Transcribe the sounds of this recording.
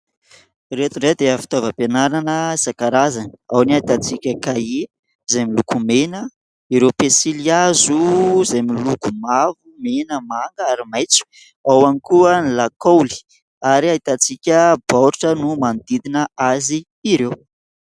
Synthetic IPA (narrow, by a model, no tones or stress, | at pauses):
ret̪unɖ͡ʐed̪eafi̥t̪ovəpenaɾanəisakaɾazaniawniait̪at͡sikʲəkae | zajmilukumenə | iɾewpesiliazuzajmilukumavumenəmaŋɡaaɾimajt͡su̥ | awanikuənilakowli̥ | aɾiaɦit̪at͡sikʲəbaɾʈ͡ʂənumand̪id̪inəaziː | ɾew